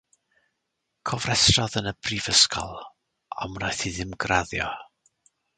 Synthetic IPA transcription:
kʰɔvrɛsrɔðənəb̥rivəskʰɔ̰lˠ | a̰mnajθiðɪmɡraðjɔ

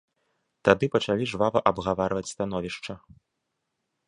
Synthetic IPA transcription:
t̪ad̪ɨpɐt͡ʂalʲiʐvavɐʔɐbɣavaɾvɐt͡sʲst̪anɔvʲiʂt͡ʂɐ

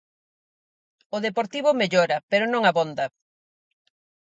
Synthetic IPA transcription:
oðepoɾt̪iβʊmeʎoɾɐpeɾonõŋaβond̪ɐ

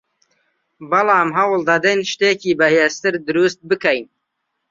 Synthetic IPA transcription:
bɐlˠɑːmɦɐwɨlˠd̪ɐd̪ɛjnʃt̪eːciːbɐheːst̪ɨɾd̪ɨɾuːst̪̚bɨkɛjn

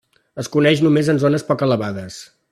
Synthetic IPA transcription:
əskunɛʃ̬numezənzonəspɔkələβaðəs

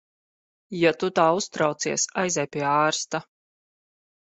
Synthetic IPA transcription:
jat̪ut̪aːust̪ɾawt̪siɛsajzʲɛjpʲiɛaːɾst̪a

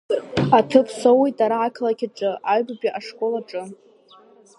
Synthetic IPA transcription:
atʰɨpʰsowijtʼaɾaːkʰlakʲʰaʈ͡ʂʼɨʔaɥbabʲaʔaʂkʼo̞laʈ͡ʂʼɨ

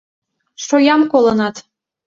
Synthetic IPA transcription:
ʃojɑmkolˠɤ̆nɑt̪

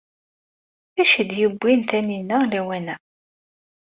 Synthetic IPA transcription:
æʃəd̪jəbʷːint̪æninəlæwænæ

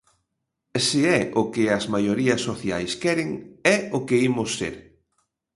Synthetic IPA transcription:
sɪɛʔʊkɪɐzmajoɾiɐsːoθja̰jskɛɾɪŋɛʊkɪimʊsːḛɾ

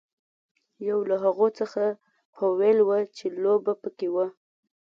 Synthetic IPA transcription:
jawlaɦaɣot͡səxa | howelwət͡ʃelobapəkewə

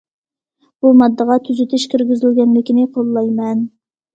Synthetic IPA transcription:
b̥umɑd̪ːəʁɑt̪ʰyzyt̪ʰɪʃkʲʰyɾɡʲizɪlɡʲɛnlɪkʲinɪqʰolˠːɑjmɛn

